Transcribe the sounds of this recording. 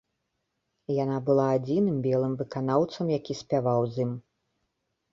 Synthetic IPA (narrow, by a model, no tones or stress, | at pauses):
janabɨlˠaːd͡zʲinɨmbʲɛlˠɨmvɨkanawt̪sɐmjakʲisʲpʲavawzʲim